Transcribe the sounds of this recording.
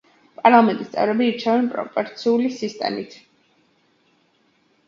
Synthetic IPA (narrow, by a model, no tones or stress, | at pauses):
pʼaɾlˠamɛnt̪ʼist̪sʼɛ̰vɾɛbiːɾt͡ʃʰɛvɛnpʼɾɔ̰pʼɔɾt̪sʰiulisist̪ʼɛ̰mit̪ʰ